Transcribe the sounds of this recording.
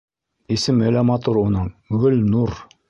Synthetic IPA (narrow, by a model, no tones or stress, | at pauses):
isɘmɵ̆læmɑt̪oɾunɤɴɡɵlnuɾ